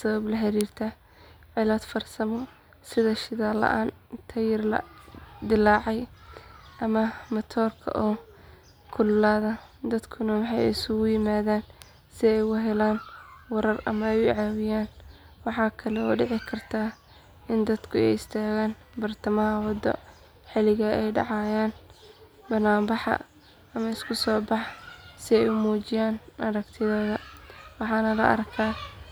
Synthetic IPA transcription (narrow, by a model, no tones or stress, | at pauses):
sɐβɐblɐɦɐɾiːrt̪ʰɐ | ʕɪlɐːd̪fɐrsɐmɔ | sɪðɐʃɪðaːlɐ̰ʔaːnt̪ʰɐjɪrlɐ̰d̪ɪlaːʕɑj | ʔɐmɐmɐt̪ʰɔːrkʰɐ̰ʔɔː | kʰʊlːaːðɐd̪ɐd̪kʰʊnɐwɑħɑjɛ̰ɪsʊɣʊjɪmaːðaːn | sɪɛjʊɦɛlaːnwɐɾɐrɐ̰mɐɛjʊʕaːwɪjaːn | wɑħɑːkʰɐlɛɔ̰ːɖɪʕɪkʰɐrt̪ʰaː | ɪnd̪ɐd̪kʰʊɛ̰jɪst̪ʰaːɣaːn | bɐrt̪ʰɐmɐɦɐwɑd̪ɔ̰ | ħɪlɪɣɐɛjɖɑ̰ʕɑːjaːn | bɐnaːmbɑħɑ̰ | ɐmɐɪskʰʊsɔːbɑħsɪɛjʊmuːt͡ʃɪjaːnʔɐɾɐɡt̪ʰɪðɔːðɐwɑħɑːnɐlɐ̰ʔɐ̰rkʰaː